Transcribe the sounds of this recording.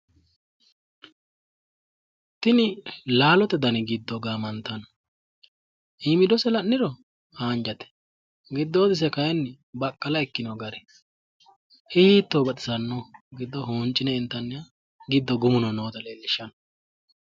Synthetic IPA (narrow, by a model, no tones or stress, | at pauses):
t̪ɪnɪlaːlɔt̪ɛd̪ɐnɪɡɪd̪ːɔɡaːmɐnt̪ːɐn | ʔimɪd̪ɔsɛlɐnːɪɾɔ | haːnd͡ʒɐt̪ɛ̥ | ɡɪd̪ːoːd̪ɪs̬ɛkɐjɛnː | bɐkʼːɐlɐɛkːɪnoɡɐɾɛ | ihiːt̪ːoːbɐtɪ̥sɐnːoɡɪd̪ːɔɦoːnt͡ʃʼːɪnɛɪnt̪ːɐnːɪja | ɡɪd̪ːɔɡʊmʊnɔnoːd̪ɐleːlːɪʃɐn